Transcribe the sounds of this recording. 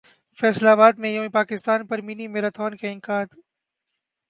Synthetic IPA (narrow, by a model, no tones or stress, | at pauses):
fɛːslaːbaːd̪mẽjõːĩpaːkɪst̪aːnpɐɾminimẽɾɐt̪ʰoːnkʰẽɪ̃ŋkaːd̪